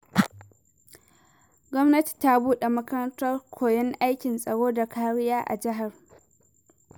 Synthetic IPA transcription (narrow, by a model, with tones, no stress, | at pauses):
ɡʷɔ˦mnɐ˦ti̥˨ta˦buː˦ɗe˨mɐ˦kɐ˦ɾɐ˦ntɐ˦rkʷʰoː˨jɛ˦ŋʔa˦jkʲɪ˨nsʼɐ˨ɽoː˦da˨kaː˦ɽɪ˦jaː˦ʔa̰˨d͡ʒɪ˦ɦa˨r